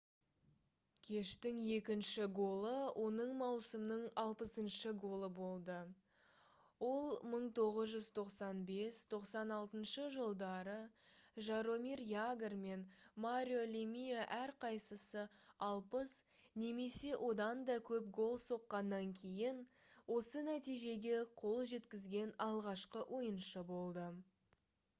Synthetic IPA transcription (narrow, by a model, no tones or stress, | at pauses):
kʲʰe̞ʃt̪ɪŋje̞kʲɪnʃɪɡo̞lˠəwʔo̞nəɴmɑwsəmnəɴɑlˠpəsənʃəɡo̞lˠəbo̞lˠd̪ə | wo̞lˠməɴt̪ʰo̞ʁəzʒʏzt̪ʰo̞qsɑnbe̞st̪ʰo̞qsɑnɑlˠt̪ənʃəʒəlˠd̪ɑɾəʒɑɾo̞mirjaɡrme̞nmaɾʲio̞lʲimijaʔæɾqʰɑjsəsəɑlˠpəs | ne̞me̞se̞wʔo̞d̪ɑnd̪ɑkʲʰɵpɡo̞lˠso̞qːɑnːɑŋkʲʰe̞jɪn | wo̞sənæt̪ijʒe̞ɡʲe̞qʰo̞lˠʒe̞t̪kʲɪzɡʲe̞nɑlˠʁɑʃqəʔwʔo̞jənʃəbo̞lˠd̪ə